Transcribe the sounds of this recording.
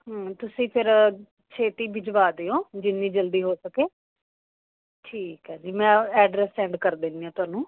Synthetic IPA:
ɦːt̪ʊsĩːpʰɪɾ | t͡ʃʰeːt̪iːbɪd͡ʒʋaːd̪eːoːd͡ʒɪnːiːd͡ʒəld̪iːɦoːsəkeː | ʈʰiːkɦɛːd͡ʒiːmɛ̃ːɛːɖɾɛːsɛ̃ːɳɖkəɾd̪ẽːnd̪iːãːt̪ʊaːnũː

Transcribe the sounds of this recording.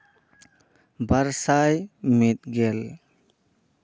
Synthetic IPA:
bəɾsajmit̪̚ɡɛl

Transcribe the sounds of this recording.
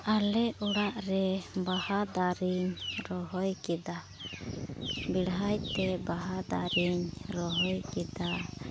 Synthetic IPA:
alɛuɽaʔɾɛbahad̪aɾiɲɾɔɦɔjkɛd̪a | biɽɦajt̪ɛbaɦad̪aɾiɲɾɔɦɔjkɛd̪a

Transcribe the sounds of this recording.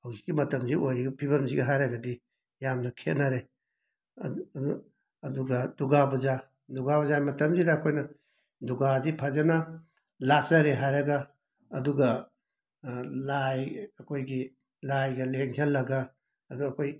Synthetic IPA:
hawɡikːimɐtɐmziʔojɾiɡɐpʰiβɐmziɡɐɦajɾɐɡɐdi | jamnɐkʰetnɐɾe | ɐduɡɐduɡabuza | duɡabuzamɐtɐmzidɐːkʰojnɐ | duɡazipʰɐzɐnɐ | lasɐɾeɦajɾɐɡɐː | duɡɐ | lajɐkʰojɡi | lajɡɐleŋtʰelːɐɡaː | duɐkʰoj

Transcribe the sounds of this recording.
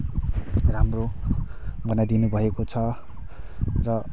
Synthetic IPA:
ramro | bʌnad̪inubʱʌekot͡sʰʌ | rʌ

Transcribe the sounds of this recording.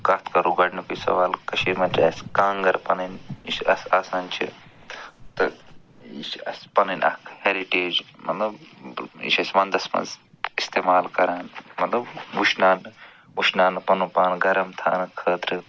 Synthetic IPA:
kɐt̪ʰkɐɾuɡɐɽnɨkujsɐ̰ʋaːlkɐʃiːmɐt̪ɾʲeːskaːŋɡɐɾpɐnɐniʃɐ̰saːsaːnt͡ʃʰḭ | t̪ɨ | ḭʃɐsʲpɐnɐnʲʔɐ̰kʰheːɾiʈeːd͡ʒmɐ̰t̪lɐbḭʃɐsʲmɐ̃nd̪ɐsmɐ̰nz | ist̪eːmaːlkɐɾaːnmɐt̪lɐbuʃnaːnɨ | uʃnaːnɨpɐnupaːnɡɐɾɐmt̪ʰa̰ːnɨkʰəːt̪ɾɨ

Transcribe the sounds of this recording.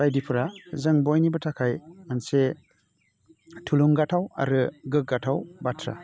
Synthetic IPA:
ajdipʰɯɾazɯŋbɔjnibɯtʰakʰajanse | tʰuluŋɡatʰawa̰ɾɯɡɯk̚ɡatʰawbatʰɾa̰

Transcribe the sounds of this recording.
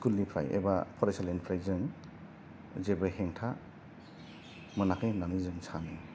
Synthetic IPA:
kulːipʰɾa̰jḛbapʰɔɾesalinpʰɾajzɯŋ | zebɯheŋtʰa | mɯnakʰɯjnanizɯŋsʰanɯ

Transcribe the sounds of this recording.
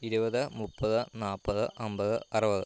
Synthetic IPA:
iɾubɐðɨmupːɐðɨnaːpːɐðɨʔɐmbɐðɨ̰ʔɐrɐbɐðɨ

